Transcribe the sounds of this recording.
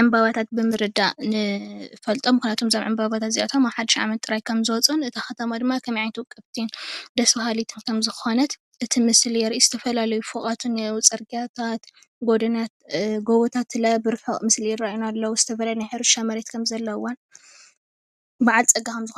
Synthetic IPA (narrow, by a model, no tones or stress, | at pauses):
ʕɨmbaβat̪ʰat̪̚bɨmɨɾɨd̪anɨfɐlt̪ʼo̞mkunat̪ʰo̞mzɐmʕɨmbaβat̪ʰat̪ziʔat̪ʰomaβħad̪iʃʕa̰mɐt̪ʼɨɾajkʰɐmzɨwɔt͡sʼunɨt̪ʰaxɐt̪ʰɐmad̪ɨmːakʰɐmiʕajnt̪ʰwɨkʼɨβt̪ʰind̪ɐsbɐɦalit̪ʰɨnkʰɐmzɨxo̞nɐt̪ | ʔɨt̪ʰimɨsljɛɾʔizɨt̪ʰɐfɐlalɐjufokʼat̪ʰunut͡sʼɐɾɡiat̪ʰat̪ | ɡod̪ɐnat̪ɡoβot̪ʰat̪lɐbɨɾfɐχʼmɨsljɛɾajunalːɐwuz̥ɨt̪ʰɐfɐlajnajħɨɾɨʃamɐɾet̪kʰɐmzɐlːɐwːan | baʕalt͡sʼɐɡːakʰɐmzɨxo